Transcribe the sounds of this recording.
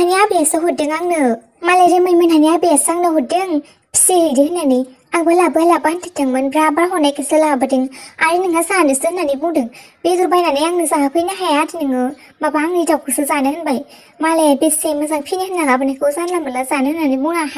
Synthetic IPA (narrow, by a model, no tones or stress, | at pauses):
naniabijasɯɦudeŋaŋnɯ | maleɾemɯjmɯnanijabijasaŋnɯɦudɯŋ | pʰi̥siɾidihɯnani | aŋɡɔlabɯlabantʰitɯŋmɯnbɾabaɾɦɔnajkʰisɯlabɯdiŋaɾiniŋazanɯsɯhnanibudɯŋbezubajnanɯjaŋnɯzaɦakʰɯjnaɦajadinɯŋɯ | mabaŋitawkʰɯsɯzanɯhɯnbaj | malebesemɯzaŋpʰinihɯnːaŋabɯnikʰɯzanlamɯlazanɯhnanibunaha